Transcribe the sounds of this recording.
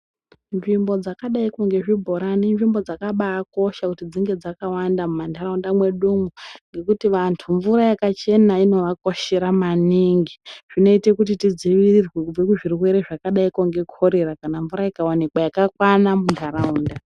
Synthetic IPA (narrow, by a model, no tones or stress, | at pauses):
nʐimbo̞d͡zakaɗaikoŋɡe̞ʐibʱo̞ɾaninʐimbo̞d͡zakaɓaːko̞ʃakutid͡ziŋɡe̞d͡zakawandamumandʱaaundamwe̞ɗuŋuŋɡe̞kutiʋantʰuɱvuɾajakat͡ʃe̞naino̞ʋako̞ʃe̞ɾamaniŋɡiʐ̥ino̞ite̞kutitid͡ziʋirirwevekuʐirwe̞ɾe̞ʐakaɗaikoŋɡe̞kʰo̞ɾe̞ɾakanaɱvuɾajikawanikwajakakwanamundʰaɾauːnda